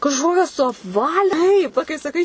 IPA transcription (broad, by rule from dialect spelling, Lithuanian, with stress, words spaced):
kɐʃˈkoːkʲɛs sʊɐpˈʋɑːlʲɪ ˈtɐɪp ˈʋɐ kɐɪ sɐˈkɐɪ